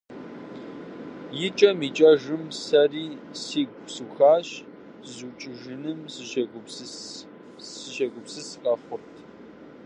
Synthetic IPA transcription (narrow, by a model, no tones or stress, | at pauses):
jɪt͡ʃʼɐmiːt͡ʃʼɐʒɨmsɐriːsiːɡʷʼsuːxaːɕ | zut͡ʃʼɪʒɨnɨmzɨ | sɨʃɐɡʷʊpsɨsqʼɐfʷʊp̚tʰ